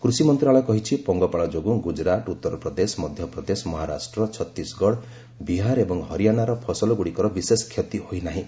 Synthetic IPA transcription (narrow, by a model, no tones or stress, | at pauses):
kɾusimɔnt̪ɾaɭɔkɔɦit͡ʃʰipɔŋɡɔpaɭɔd͡ʒoɡuɡud͡ʒɾat̪ut̪ːɔɾɔpɾɔd̪esɔmɔd̪ʱjɔpɾɔd̪esɔmɔɦaɾa̰sʈɾɔt͡ʃʰɔt̪ːisɡɔɽ | biɦaɾebɔŋɦɔɾijanaɾɔpʰɔsɔlɔɡuɽikɔɾɔbiseskʰjet̪ihojnaɦĩ